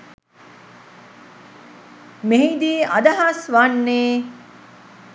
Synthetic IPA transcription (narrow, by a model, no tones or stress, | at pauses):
meɦid̪iːʔad̪ɐɦasʋanːeː